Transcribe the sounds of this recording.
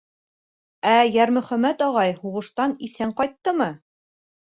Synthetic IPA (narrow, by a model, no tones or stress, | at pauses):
æjæɾmɵ̆χæmæt̪ɒʁɑjhuʁɤ̆ʃt̪ɑniθæɴqɑjt̪ːɤmɤ